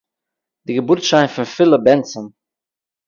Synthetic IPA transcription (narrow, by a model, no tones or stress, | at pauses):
d̥iɡəbʊɾtʃaɪnfɪnfɪlˠəbɛnt͡sɔn